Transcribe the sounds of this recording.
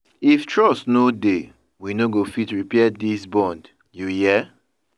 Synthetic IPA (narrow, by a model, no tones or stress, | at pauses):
iftʰɹɔsnode | winoɡofitɹipɛdisbɔ̃nd | juhiɛ